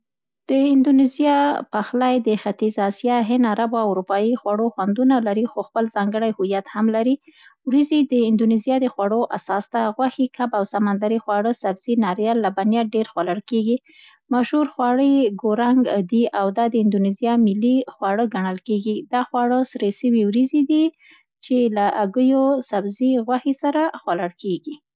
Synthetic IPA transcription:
d̪̥əɪnd̪unɪzijɑpaxlajd̪əxat̪izɑsjɑɦɪnaɾabawuɾupɑjixwaɽoxwand̪unalaɾixoxpəlzɑŋɡəɽajhʊjat̪hamlaɾiwɾizid̪əɪnd̪unizijɑd̪əxwaɽoʔasɑst̪aɣwaxikabawsamand̪aɾixwɑɽəsabz̥inɑɾjɑlːabanjaɖeɾxwaləɽkeɡi | maʃhuɾxwɑɽəjɡoɾaŋɡd̪iʔawd̪ɑd̪əɪnd̪unizijɑmɪlːixwɑɽəɡaɳəlkeɡid̪ɑxwɑɽəsɾesəwiwɾizid̪i | t͡ʃelaʔaɡəjosabziɣwaxesaɾaxwalaɽkeɡi

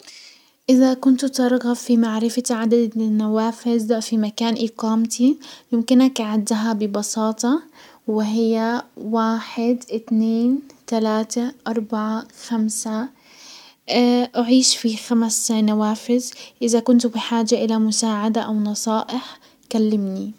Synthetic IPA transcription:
ʔɪðakʊnt̪t̪ɑɾˤɣɑfimaʕɾɪfaʕad̪ad̪nawaːfɪzfimakaːnʔiːqɑːmt̪ʰijɪmkɪnakʕɪd̪ːaɦabɪbɑsɑːt̪ˤɑ | wɪɦɪjːawaːħɪd̪ʔɪt̪neːnt̪alaːt̪aʔɑɾˤbaʕaxamsa | ʔaʕiːʃfixamsnawaːfɪzʔɪðakʊnt̪bɪħaːd͡ʒaʔɪlamʊsaːʕad̪aʔawnɑsˤɑːʔɪħ | kalːɪmni

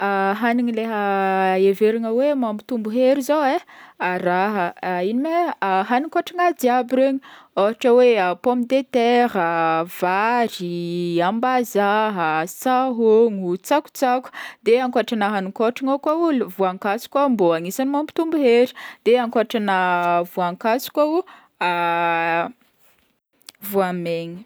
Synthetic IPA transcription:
aɦaniŋileɦəeveɾaŋəwemambit̪umbuɦeɾizoweaɾaɦəinimeɦanikoʈ͡ʂaŋad̪iabiɾeɲioɦaʈ͡ʂəweapomid̪et̪ɛɾəv̥aɾiambazaɦəsaɦoŋut͡saku̥t͡saku̥d̪eaŋkoaʈ͡ʂanaɦanikoʈ͡ʂaŋakauluvuaŋkat͡su̥kʲamboaŋisanimambi̥t̪umbuɦeɾi̥d̪̥eaŋkoʈ͡ʂanavuaŋkasu̥kʲau | a | vuameɲi̥

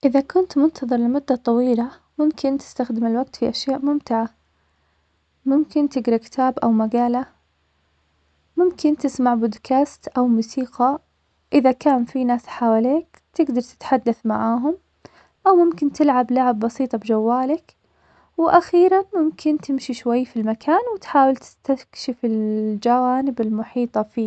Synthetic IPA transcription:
ʔɪðakʊnt̪mʊnt̪ʰɑðˤɨɾˤlɪmʊd̪ːat̪ˤɑwiːla | mʊmkɪnt̪ɪ̥st̪axd̪ɪmɪlwaɡ̚t̪fiʔaʃjaːʔmʊmt̪ɪʕa | mʊmkɪnt̪ɪɡɾɑkɪ̥t̪aːbʔawmaɡaːla | mʊmkʰɪnt̪ɪsmaʕbod̪kʰaːst̪ʔawmuːsiːqɑ | ʔɪðakaːnfinaːsħawaleːk | t̪ɪɡd̪ɑɾˤt̪ɪ̥t̪ħad̪ːaθmaʕaːɦʊm | ʔawmʊmkɪnt̪ɪlʕablaʕɪbːɑsiːt̪ˤɑbd͡ʒawːaːlak | wʔaxiːɾanmʊmkʰɪnt̪ɪmʃiʃwajːfilmakʰaːnwɪt̪ħaːwɪlt̪ɪ̥st̪akʃɪfɪld͡ʒawaːnɪbɪlmʊħiːt̪ˤɑfiː

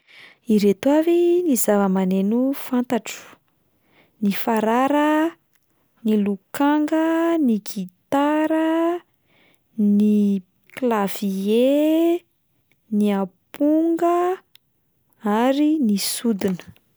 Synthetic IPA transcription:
iɾet̪uavinizavəmanenufant̪aʈ͡ʂu̥ | nifaɾaɾə | nilukaŋɡəniɡit̪aɾə | ni | klav̥ie | niapuŋɡə | aɾinisud̪inə̥

